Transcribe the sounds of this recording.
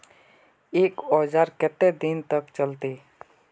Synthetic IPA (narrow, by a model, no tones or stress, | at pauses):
eːkɔːd͡ʒaːɾkɛt̪ːɛd̪ɪnt̪əkt͡ʃəlt̪e